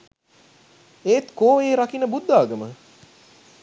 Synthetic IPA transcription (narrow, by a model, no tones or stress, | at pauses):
eːt̪koːeːɾakinəbud̪ːaːɡəmə